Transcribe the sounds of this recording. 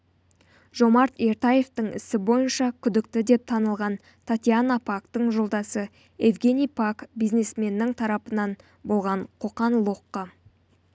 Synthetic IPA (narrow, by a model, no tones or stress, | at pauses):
ʒ̥o̞mɑɾt̪e̞ɾt̪aje̞ft̪əɴɪ̰sɪbo̞jənʃɑkʲʰʏd̪ɪkt̪ɪd̪e̞p̚t̪ʰɑnəlˠʁɑn | t̪ʰat̪ʲianapʰakt̪əɴʒo̞lˠd̪ɑsə | e̞vɡʲe̞nʲijpʰakbijzne̞sme̞nːɪŋt̪ʰɑɾɑpənɑn | bo̞lˠʁɑɴqʰo̞qɑnlˠoqːɑ